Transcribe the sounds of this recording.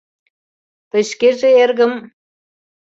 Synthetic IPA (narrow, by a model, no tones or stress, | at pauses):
pə̆ʃkeʒĕerɣə̆m